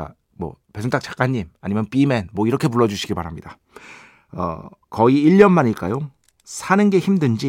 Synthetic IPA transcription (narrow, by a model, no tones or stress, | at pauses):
a̰ | mwʌ̰pesʰontʰak̚t͡ɕ͈ḁk͈aɲːimaɲimjʌnp͈ime̞nmwʌiɾʌkʰe̞puɭːʌd͡ʑuɕʰiɡipa̰ɾɦamɲida | ʌ̰kʌiːɭːʌnmaɲiɭk͈ajo | sʰanɯnɡe̞çimdɯnd͡ʑi